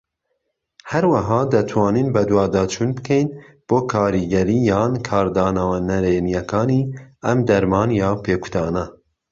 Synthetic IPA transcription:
hɛɾwɐɦɑːd̪ɐt̪ʰwɑːniːnbɛd̪wɑːd̪ɑːt͡ʃʰuːnbɨkʰɛjn | b̥oːkʰɑːɾiɡɛɾiːjɑːnkʰɑːɾd̪ɑːnɐwɛnɛɾeːnijɛkɑːniːɛmd̪ɛɾmɑːnjɑːpʰeːkʰu̥d̪ɑːnɛ

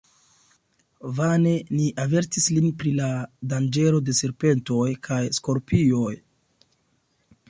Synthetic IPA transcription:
vane̞niʔave̞ɾtislinpɾiladand͡ʒe̞ɾo̞de̞se̞ɾpe̞nto̞jkʰajsko̞ɾpio̞j

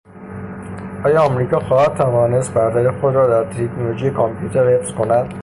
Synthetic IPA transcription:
ʔɒːjɒːmɾiːkɒːxɒːhæd̪̚t̪ʰævɒːne̞st̪̚bæɾt̪ʰæɾexod̪ɾɒːd̪æɾt̪ʰekʰnolod͡ʒijekʰɒmpʰjuːt̪ʰeɾhefskʰo̞næd̪̥

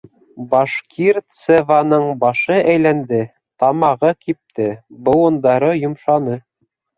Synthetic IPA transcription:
bɑʃkʰiɾt̪sevɑnɤɴbɑʃɤʔæjlænd̪ɘ | t̪ɑmɑʁɤkip̚t̪ɘbɤ̆wɤ̆nd̪ɑɾɤjŏmʃɑnɤ

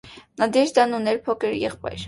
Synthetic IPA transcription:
nɑd̪ɛɾd̪ɑnunɛɾpʰɔkʰəɾjɛ̰χpɑ̰jɾ

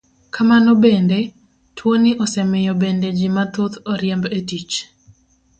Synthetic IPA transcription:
kʰamanɔbende | twonɪʔɔsɛmɪjɔbended͡ʒimat̪ot̪ɔɾjɛmbetit͡ʃ

